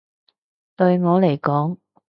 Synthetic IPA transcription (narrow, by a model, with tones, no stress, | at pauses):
t̪ɵ˧ɥŋɔː˨˧le˨˩jkɔː˨˥ŋ